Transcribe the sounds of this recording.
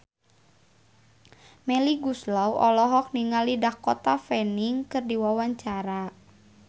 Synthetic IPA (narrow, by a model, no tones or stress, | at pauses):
mɛliɡuslawʔɔlɔɦɔk̚niŋalidahkɔt̪afɛniŋkɨrdiwawaɲt͡ʃaɾa